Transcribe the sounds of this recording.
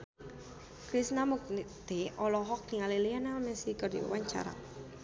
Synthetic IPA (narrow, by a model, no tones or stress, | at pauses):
kɾisnamuk̚nt̪eɔlɔɦɔk̚niŋalilianamɛsikərdiɔ̰waɲt͡ʃa̰ɾa̰